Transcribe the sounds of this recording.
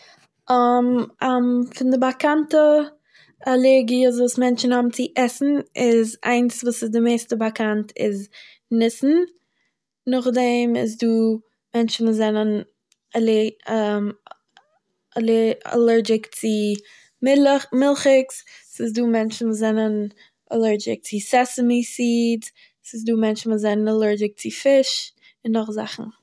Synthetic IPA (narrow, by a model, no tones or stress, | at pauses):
amamfɪndɪbakantə | alˠɛɾɡiəzuːsmɛnt͡ʃn̩hɔbm̩t͡sɪʔɛsn̩ɪza̰ɪnsvuːsɪsdɪmeɪstəbakantʰɪ̰z | nɪsn̩ | nʊχdɛmɪ̰z̬duː | mɛnt͡ʃn̩vuːszɛnən | ɛlɛm | lɛ̰lɛɾd͡ʒɪkt͡sɪ | mɪmɪlˠχɪkssɪsduːmɛnt͡ʃn̩vuːszɛnən | ɛlˠɛɹd͡ʒɪ̰k̚t͡sɪsɛsəmisiːd | sɪsduːmɛnt͡ʃn̩vʊszɛnənalˠɛɹd͡ʒɪk̚t͡sɪfɪʃ | ɪnːʊχza̰χn̩